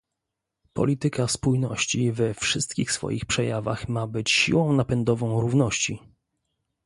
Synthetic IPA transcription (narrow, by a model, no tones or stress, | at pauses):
pɔ̰lʲit̪ɘkaspujnɔ̰ɕt͡ɕivɛfʂɘst̪̚kʲixsfɔ̰jixpʂɛjava̰xmabɘt͡ɕɕḭwɔ̃w̃napɛnd̪ɔvɔ̃w̃ɾuvnɔɕt͡ɕi